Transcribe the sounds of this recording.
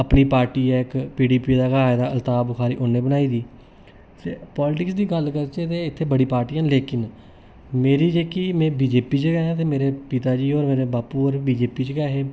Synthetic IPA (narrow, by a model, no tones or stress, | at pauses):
əpniːpaːɾʈiːɛːɪkpiːɖiːpiːd̪aːkaːɪd̪aːlt̪aːbʊxaːɾiːʔonẽːbənaːiːd̪iː | t̪eːpɔːlɪʈɪksd̪iːɡəlkəɾt͡ʃeːt̪eːɪt̪ʰːeːbəɽiːpaːɾʈiːãnleːkɪn | meːɾiːd͡ʒeːkiːmɛ̃ːbiːd͡ʒeːpiːd͡ʒəɡɛːãːt̪eːmeːɾeːpit̪aːd͡ʒiːoːɾmeːɾeːbaːpuːoːɾbiːd͡ʒeːpiːd͡ʒəɡɛːɦeː